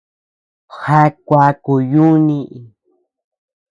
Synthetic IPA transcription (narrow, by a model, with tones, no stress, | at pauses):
ha˦kʷa˧ku˨ju˦nĩ˧ʔi˨